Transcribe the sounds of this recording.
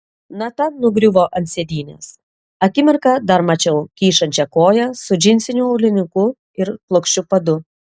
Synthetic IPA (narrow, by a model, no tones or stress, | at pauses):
nɐt̪ɐnʊɡɾʲʊʋoːʔɐnt̪ʲsʲed̪ʲiːnʲḛːs | ɐkʲɪmʲɪɾkɐd̪ɐɾmɐt͡ʃʲɛʊkʲiːʃɐnʲt͡ʃʲɛkoːjɛsʊd͡ʒʲɪnʲsʲɪnʲuɐʊlʲɪnʲɪkʊ | ɪɾplˠʊkʃʲt͡ʃʲʊpɐd̪ʊ